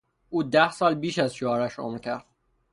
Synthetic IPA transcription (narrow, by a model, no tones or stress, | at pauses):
ʔuːd̪æhsɒːlbiːʃæzʃoɒːɾæʃɒ̰mɾcʲʰæɾd̪̥̚